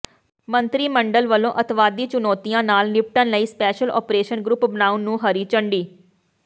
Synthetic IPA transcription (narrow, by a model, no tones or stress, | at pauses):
mənt̪ɾiːməɳɖəlʋəlːõːʔət̪ʰʋaːd̪iːt͡ʃʊnɔːt̪ijãːnaːlnɪp̚ʈənləiːspɛːʃəlɔ̰ːpɾeːʃənɡɾʊpbənaːunːũːɦəɾiːt͡ʃəɳɖiː